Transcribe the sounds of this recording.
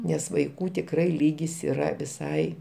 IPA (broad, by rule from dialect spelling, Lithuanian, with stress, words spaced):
nʲɛs ʋɐɪˈkuː tʲɪkˈrɐɪ ˈlʲiːɡʲɪs iːˈrɐ ʋʲɪˈsɐɪ